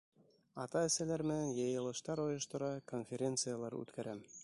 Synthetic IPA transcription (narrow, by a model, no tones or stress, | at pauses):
ɑt̪ɑɘ̆sælæɾmɘ̆nænjɤ̆jɤ̆lˠɤ̆ʃt̪ɑɾŏjŏʃt̪ŏɾɑkonfʲeɾʲe̞nt̪sɨjalˠɑɾʉ̰t̪kæɾæm